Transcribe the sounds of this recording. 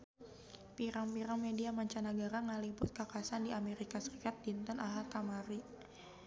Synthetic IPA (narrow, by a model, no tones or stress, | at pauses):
piɾaŋpiɾaŋmediamaɲt͡ʃanaɡaɾaŋalibʊt̪̚kakasandiʔameɾikasəɾikat̪̚lint̪ənaɦalk̪amaɾi